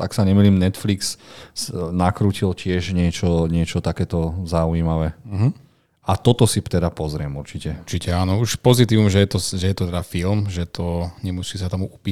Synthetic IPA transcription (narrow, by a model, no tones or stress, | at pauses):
t̪aksaɲɛmiliːmnɛt̪fliks | nakɾuːcilcɪɛʒɲɪɛt͡ʃɔɲɪɛt͡ʃɔt̪akɛːt̪ɔzaujimaʋɛɦ̩ | at̪ɔt̪ɔsit̪ɛd̪apɔzɾɪɛmuɾt͡ʃicɛut͡ʃicɛaːnɔuʃpɔzit̪iːʋumʒɛjɛt̪ɔʒɛjɛt̪ɔt̪ɛd̪afilmʒɛt̪ʰɔɲɛmusiːsat̪ɔmuupiː